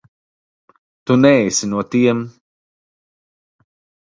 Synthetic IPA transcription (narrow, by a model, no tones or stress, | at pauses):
t̪unɛjsinuɔt̪iɛm